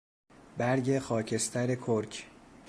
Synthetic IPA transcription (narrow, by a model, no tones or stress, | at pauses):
bæɾɟe̞xɒːcʰe̞st̪ʰæɾe̞kʰoɾcʰ